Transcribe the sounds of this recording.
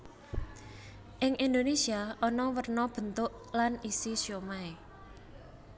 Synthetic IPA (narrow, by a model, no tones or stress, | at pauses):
ʔɪŋʔind̪onesiaʔɔnɔwərnɔb̥ə̤nt̪ʊʔ | lanisisjomae